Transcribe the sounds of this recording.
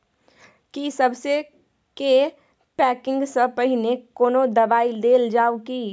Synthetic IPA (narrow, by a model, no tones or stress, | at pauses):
kisɐbse | ke | pɛːkɪ̃ŋɡsəpɐɦinekoːnod̪ɐbaːid̪eːld͡ʒaːoki